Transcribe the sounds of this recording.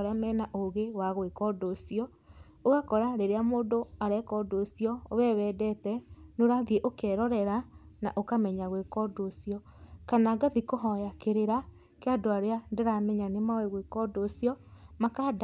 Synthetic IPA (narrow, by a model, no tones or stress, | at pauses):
ɾamɛnaʔoɣewaɣwekɔdosiɔ | oɣakɔɾaɾeɾeamoːndoaɾɛkɔdoːsiɔoβɛβɛdɛtɛnoɾaðieʔokɛɾɔɾɛɾana̰ʔokamɛɲaɣwekɔdosiɔ | kanaɡaðikoɦɔjakeɾeɾa | keadoaɾeandeɾamɛɲanemawɛɣwekɔdosiɔmakad